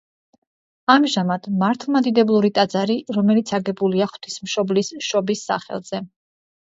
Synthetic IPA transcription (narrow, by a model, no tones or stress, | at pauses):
amʒamad̪̥maɾt̪ʰlˠmad̪id̪ɛblˠuɾit̪ʼad̪zaɾiɾɔmɛlit̪sʰaɡɛbuliaχw̥t̪ʰismʃɔblisʃɔbisːa̰χɛ̰lˠz̥ɛ